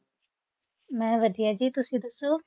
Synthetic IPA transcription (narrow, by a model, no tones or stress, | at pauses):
mɛ̃ːʋɐd̪ʱijad͡ʒiːt̪ʊsĩd̪ɐsoː